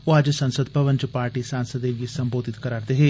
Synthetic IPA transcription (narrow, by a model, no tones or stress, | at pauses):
oad͡ʒsənsəd̪pɐʋənt͡ʃəpaːɾʈiːsaːnsəd̪eʋiːsəmboːd̪ɪt̪kəɾaːɾd̪eɦeː